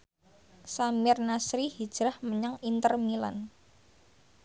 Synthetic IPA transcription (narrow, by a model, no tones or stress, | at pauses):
samɪrnasɾihid̥ʒ̥ɾahməɲaŋint̪ərmila̰n